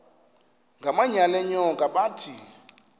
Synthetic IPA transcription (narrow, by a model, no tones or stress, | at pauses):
ŋɡʱamaɲalɛɲɔŋɡʱʼaɓaːtʰi